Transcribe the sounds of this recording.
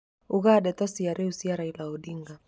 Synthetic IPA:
uɣaɗɛtɔsiaɾɛusiaɾailaɔɗiŋɡa

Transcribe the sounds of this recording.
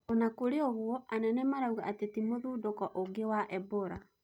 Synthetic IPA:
onakoɾeoβwɔʔanɛnɛmaɾauɣaʔːtetimoðuːdokɔʔoɡewaʔɛboɾa

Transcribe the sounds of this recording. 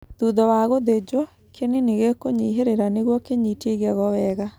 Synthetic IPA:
ðuðɔwaɣoðed͡ʑwɔ | kʰeneneɣekoɲiɦeɾeɾaneɣwɔkeɲiteɣɛɣɔwɛːɣa

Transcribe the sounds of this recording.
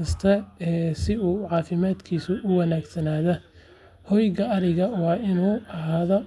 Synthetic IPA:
ɐst̪ʰɐɛːsɪuːʕɑːfɪmaːd̪kʰiːsʊʔʊwɑnaːɡsɐnaːðɐ | hɔjɣɐɐɾɪɣɐwɑːɪnuːɐɦaːðɔ

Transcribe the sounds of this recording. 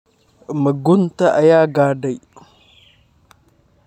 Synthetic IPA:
məɡuntaʔajaɡadaj

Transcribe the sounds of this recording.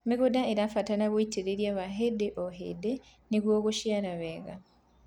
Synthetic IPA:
miɣudaeɾafatanaβwoiteɾeɾjaβaɦedeʔoɦḛde | niɣwoːɣuʃjaɾaβeɣa̰

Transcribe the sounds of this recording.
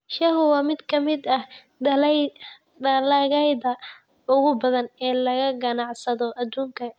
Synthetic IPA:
ʃɐɦʊwɑːmɪd̪kʰɐmɪd̪ɐh | l | d̪ɐlaːɣɛjðɐ | ʊɣʊbɐðɐnɛːlɐɣɐɡɐnɑʕsɐðɔʔɐd̪uːŋkʰɐ

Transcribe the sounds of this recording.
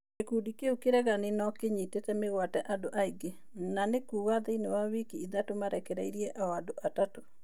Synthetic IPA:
ekudikeukeɾɛɣaninɔkeɲitetɛmeɣwatɛʔadoʔaiɡe | nanekuːɣaðeinewawikiiðatomaɾɛkɛɾɛiɾiɛʔawadoʔatato

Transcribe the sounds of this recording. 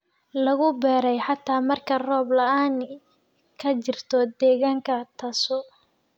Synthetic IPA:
lɐɣʊbɛːɾɛjħɑt̪ʰaːmɐrkʰɐrɔːblɐʔaːn | kʰɐt͡ʃɪrt̪ʰɔd̪ɛːɣaːŋkʰɐt̪ʰɐsɔ

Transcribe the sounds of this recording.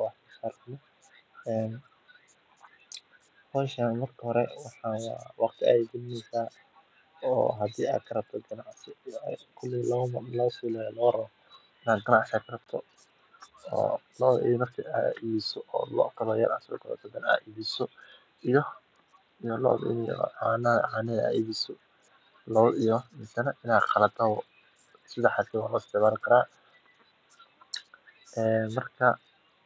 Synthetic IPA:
wħsaːɾɐbnɔ | ɛːn | hɔːʃaːnmɐrkʰɐhɔɾɛwɑħɑːnwɑːwʔɑqt̪ʰɪʔa̰jɡ̪ɪnnɛsaː | ɔ̰ːɦɐd̪ḭːa̰ːd̪̚kʰɐɾɐb̚t̪ʰɔɡɐnɑʕsɪkʰʊlːɪlɔmlɔːsilɛlɔːɾɐβɔ | ɪnaːɡɐnɑʕsakʰɐrɐb̚t̪ʰɔ | ɔ̰ːlɔːimɐrkʰiʔaːiːβisɔʔɔ̰ːlɔ̰ːt̪ʰɐlɔːjaːɾʔa̰ːsʊ̰kʰɐlɔ̰t̪ʰɔd̪ɛna̰ːiːβisɔ | ijɔ | ijɔlɔ̰ːɪ̰njɔ̰ʕanɐʕaːnɛa̰ːiːβisɔ | lɔwijɔmɪsɐnɐʔɪnaːqɑlɐt̪ʰɐ | sɪðɐħasɛwaːlɔːɪst̪ɪʕmaːlkʰɐɾaː | ɛːmɐrkʰɐ

